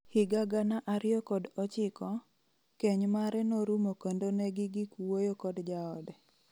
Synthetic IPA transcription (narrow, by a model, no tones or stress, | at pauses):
hɪɡaɡanaʔaɾɪjɔkɔdɔt͡ʃɪkɔ | keɲmaɾɛnoɾumokondonɛɡɪɡɪkwojokɔdd͡ʒaɔdɛ